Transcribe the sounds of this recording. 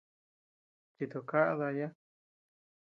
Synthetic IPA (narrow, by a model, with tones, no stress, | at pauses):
t͡ʃi˧t̪u˨ka˦ʔða˧ja˦